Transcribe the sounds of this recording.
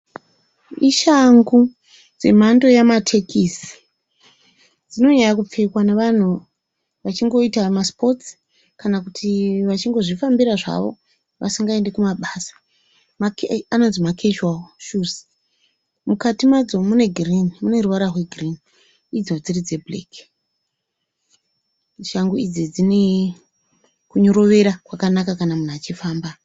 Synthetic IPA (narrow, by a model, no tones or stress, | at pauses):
iʃaŋɡu | d͡zḛm̤ando̞jamatʰe̞kʰisi̥ | d͡zino̞ɲajakup͡fe̞kwaneʋan̤u | ʋat͡ʃiŋɡo̞itamaspo̞ts | kanakutʰiʋat͡ʃiŋɡo̞ʐifambiɾaʐa̰ʋo̞̰ | ʋʔa̰siŋɡae̞nde̞kumaɓaːsḁ | makano̞nzimakʰet͡ʃalʃuz | mukatimad͡zo̞mune̞ɡʱrinimune̞ruʋaɾarwe̞ɡʱrini | id͡zo̞d͡zirid͡ze̞blek | ʃaŋɡuid͡zid͡zine | kuɲo̞ɾo̞ʋe̞ɾakwakanakakanamun̤uat͡ʃifaːmba